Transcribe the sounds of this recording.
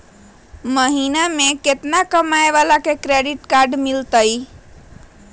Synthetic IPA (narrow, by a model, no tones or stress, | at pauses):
məɦinameket̪nakəmaeʋalakekɾeɖiʈkaɾɖmilt̪əj